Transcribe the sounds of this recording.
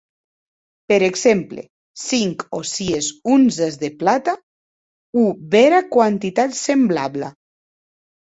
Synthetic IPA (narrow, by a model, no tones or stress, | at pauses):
peɾeɡzemplḛ | siŋkosiezunzezðeplat̪a | uβeɾakwant̪it̪at̪sembla̰βla